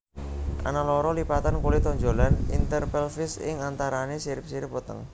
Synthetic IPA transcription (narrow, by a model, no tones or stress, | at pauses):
ʔa̰nalɔɾɔlipat̪ankolit̪ɔɲd͡ʒolanḭnt̪ərpɛlfɪsɪ̰ŋant̪aɾanesiɾɪp̚siɾɪp̚wət̪ə̰ŋ